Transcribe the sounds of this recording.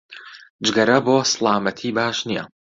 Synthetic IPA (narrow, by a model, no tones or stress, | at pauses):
d͡ʒɡɐɾɐboːsɨlˠaːmɐt̪ʰiːbaːʃnijɐ̰